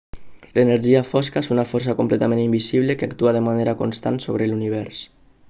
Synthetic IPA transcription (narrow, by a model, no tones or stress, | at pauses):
leneɾʒiafɔskaesunafɔɾs̬akomplet̪amẽnimbisiβləkeakt̪uaðəmaneɾakonst̪a̰nsoβɾəluniβ̞ɛɾs